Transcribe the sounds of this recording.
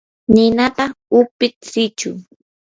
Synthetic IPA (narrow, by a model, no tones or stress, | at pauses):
nɪnat̪aʊpɪtsɪt͡ʃʊ̰